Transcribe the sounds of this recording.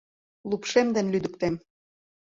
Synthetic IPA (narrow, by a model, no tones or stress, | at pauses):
lupʃemd̪ə̆nlyd̪ə̆kt̪em